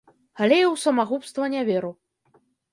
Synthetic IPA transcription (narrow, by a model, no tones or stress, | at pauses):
ɣalʲejɛwsɐmaɣupst̪vɐnʲavʲɛɾu